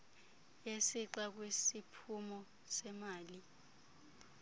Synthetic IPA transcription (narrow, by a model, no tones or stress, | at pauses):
jesiǀak̬wesipʰumɔ | sɛmaːli